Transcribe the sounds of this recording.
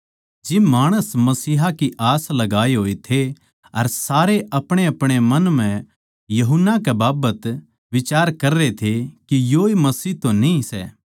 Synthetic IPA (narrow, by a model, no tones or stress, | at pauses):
d͡ʒɪmaːɽ̃əsmɐsiːɦakiʔaːslɐɡaːeɦoːet̪ʰe | ɐɾsaːɾeʔɐpɽ̃eɐpɽ̃emɐnm̤ɛ̃ | jɐɦʊnːakɛbaːbət̪ | ʋɪt͡ʃaːɾkɐɾːet̪ʰekijoːemɐsiːɦt̪õnĩsɛ̰ː